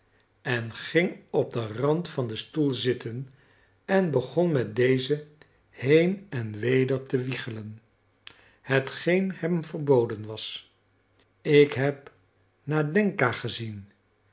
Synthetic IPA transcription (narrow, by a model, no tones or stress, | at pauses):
ɛnχɪŋɔb̚dərɑntfɑndəstulˠzɪtən | ɛnbəχɔnmɛt̚dejzə | hejnɛnʋejdəɹtəʋiχələn | hətχejnhɛmvəɹbowdənʋɑs | ɪkɦɛp̚ | naːdɛŋkaːχəzin